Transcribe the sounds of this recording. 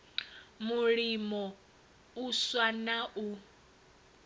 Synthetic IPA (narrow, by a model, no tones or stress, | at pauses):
muɺimɔ | uswanaʔu